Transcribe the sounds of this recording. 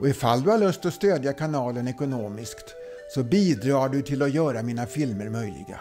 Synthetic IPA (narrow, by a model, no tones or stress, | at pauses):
ʔɔɪfald̪ɵhaɭɵst̪ɔst̪øːd̪jakʰanɑːlənɛkʊnoːmɪskt̪ | sɔbiːd̪ɾɑːɖɵt̪ʰɪlɔjœːɾamiːnafɪlməɾmœjlɪ̰ɡa̰